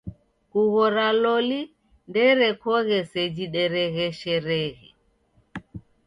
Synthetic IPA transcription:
kuɣɔɾalɔli | ndɛɾɛkɔɣɛsɛd͡ʒiɗɛɾɛɣɛʃɛɾɛɣɛ

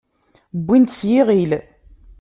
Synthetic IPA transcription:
bʷːint̪sjiʁil

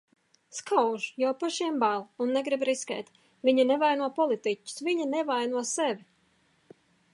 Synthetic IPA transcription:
skawʒjawpaʃiɛmbalˠunːɛɡɾibɾiskʲɛ̰ːt̪ʲ | viɲanevajnuɔpɔlˠit̪icʲːʊ̥sviɲanɛvajnuɔsɛvʲi

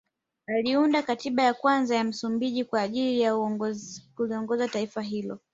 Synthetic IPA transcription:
aliundakatiɓajakwanzajam̩sumbiʄikwaːʄilija | kuliɔŋɡɔzataifaɦilɔ̰

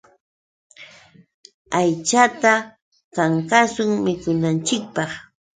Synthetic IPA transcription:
ajt͡ʃat̪a | kaŋkasʊŋmɪkʊnant͡ʃɪk̚pɑχ

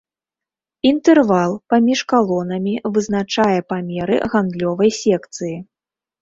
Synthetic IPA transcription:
int̪ɛrvalˠpamʲiʂkalˠɔnɐmʲivɨzn̪at͡ʂajɛpamʲɛɾɨ̰ɣand̪lʲɔvɐjsʲɛkt̪sɨji

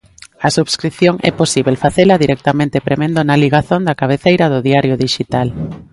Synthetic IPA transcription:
ɐsuβskɾiθjoŋʔɛ̰posiβelfaθelɐðiɾʔɛk̚t̪amẽnt̪epɾemẽnd̪onaliɣaθond̪ɐkaβeθejɾɐðʊðiaɾjʊðiʃit̪al

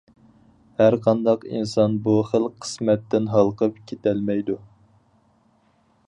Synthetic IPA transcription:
hæɾqʰɑnd̪ɑqḭnsɑnbuχəlˠʰə̥smɛt̪ːɪnɦɑlˠqʰəpkʲʰet̪ʰɛlmɛjd̪u

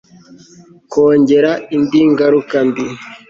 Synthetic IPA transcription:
koːɲɟe̞ɾaindiŋɡaɾukambi

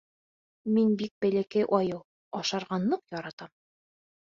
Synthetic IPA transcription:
minbik̚bælækæjʔɒjɤ | ɒʃɑɾʁɑnːˠɤqjɒɾɑt̪ɑm

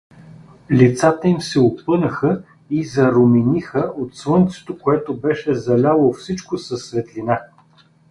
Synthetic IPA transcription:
lʲit̪sat̪əimsɛopɤnəxə | izɐɾominixəot̪svɤnt̪sɛ̥t̪okoɛt̪obɛʃɛzɐlʲalˠofsit͡ʃkosɐsːvɛt̪lʲina

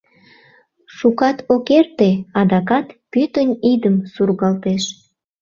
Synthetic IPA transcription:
ʃukɑt̪okert̪eɑd̪ɑkɑt̪pyt̪ənʲid̪əmsurɣɑlt̪eʃ

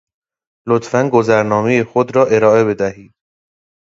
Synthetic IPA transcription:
lot̪ʰfænɡozæɾnɒːmejexod̪ɾɒːʔe̞ɾɒːe̞βe̞d̪æhiːd̪̥̚

